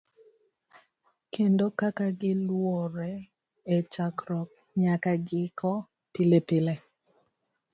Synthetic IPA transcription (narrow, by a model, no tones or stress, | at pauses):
kʰendokakaɡɪlwoɾɛ | et͡ʃakɾɔk | ɲakaɡɪkɔ | pilepɪle